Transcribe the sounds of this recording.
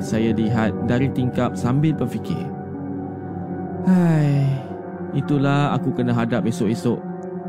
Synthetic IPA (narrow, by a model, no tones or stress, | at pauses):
t̪sajaliɦat̪̚daɾit̪iŋkap̚sambɪlpərfikɪ̰ | haj | it̪ulaha̰kukənãɦadap̚esʊʔesʊʔ